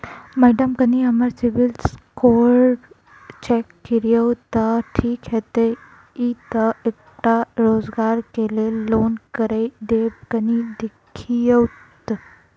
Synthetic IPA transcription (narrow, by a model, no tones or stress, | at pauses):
mɛɖəmkəniəməɾsiʋilskoɾɖ | t͡ɕɛkːiɾjəwt̪əʈʰiːkjɛt̪e | it̪əek̚ | ʈaɾod͡zɡaɾkelelonkəɾəjɖ̪eb̚kənid̪ekʰːijəwt̪